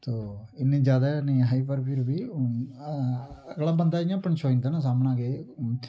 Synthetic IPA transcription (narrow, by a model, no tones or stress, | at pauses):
t̪oːɪnẽːd͡ʒjaːd̪aːnĩːɦaːiːpəɾpiɾbiː | əɡlaːbənd̪aːɪjãːpəɳt͡ʃʰoːĩnd̪anãːs̬aːmnãːɡeː